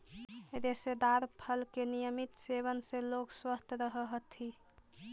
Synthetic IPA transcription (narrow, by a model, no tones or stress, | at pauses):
d̪esed̪aɾpʰəlkenijəmit̪seβənsẽlokswəst̪ʰɾəɦəɦət̪ʰi